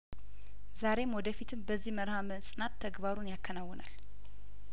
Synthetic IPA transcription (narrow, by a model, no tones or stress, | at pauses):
zaɾe̞mwɔd̪əfit̪ʰɨmbəzːihməɾhamənsʼɨnat̪ʰːəɡbaɾunjakʰːənawːɔnʔa̰l